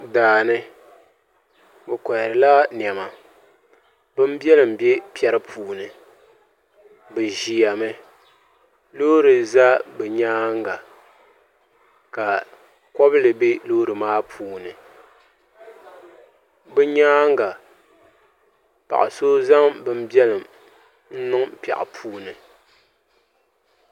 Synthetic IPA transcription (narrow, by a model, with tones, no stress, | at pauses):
daː˨nɨ˦ | bɨ˨ka˨ɾɨ˨la˦n˨ɛ˨ma˨ | bɨ˦m˦bɛ˦lɨ˨m̩˨be˦pi˦ɛ˨˦ɾɨ˦pʰuː˨nɨ˨ | bɨ˨ʒi˨ja˨mɨ˦ | lo˦ɾɨ˨za˦bɛ˨ɲaː˦ŋɡa˨ | ka˨ | kɔ˦blɨ˨be˦lo˦ɾɨ˨maː˦pʰuː˨˦nɨ˨ | bɨ˦ɲaː˦ŋɡa˨ | pa̰˨ʔa̰˨so˦za˦mbɨ˦m˦bjɛ˦lɨ˨m | n̩˦nɨ˦ŋpɛ̰˨ʔɪ̰˨pʰuː˦nɨ˨